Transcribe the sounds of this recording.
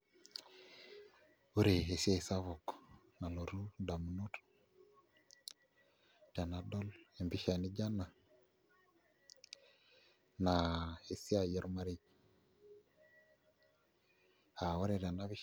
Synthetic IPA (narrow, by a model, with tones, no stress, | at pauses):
u˦ɾe˨ɦe˨si˦a˦˨i˨sa˦βo˨k | na˨lo˨ɾu˦da˨mu˨nu˦t | da˨na˨do˦le˨mbi˦ʃa˨ni˦d͡ʒa˦na˨ | na˨he˨si˦a˦˨jɛ˦ɾma˦ɾi˦ | a˨wa˦ɾe˨da˨na˦βi˦